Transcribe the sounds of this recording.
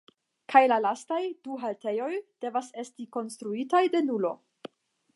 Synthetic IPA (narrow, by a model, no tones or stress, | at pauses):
kʰajlalastajduɦalte̞jo̞jd̥e̞vase̞stiko̞nstɾuitajde̞nulo̞̰